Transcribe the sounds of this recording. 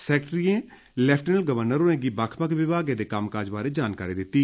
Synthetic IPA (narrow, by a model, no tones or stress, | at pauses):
sɛːkʈɾiːẽː | lɛːpʰʈːnəlɡəʋəɾnəɾõẽːɡiːbakʰpəkʋɪʋaːɡẽːd̪eːkəmkaːd͡ʒbaːɾeːd͡ʒaːnka̰ːɾiːd̪ɪt̪ːiː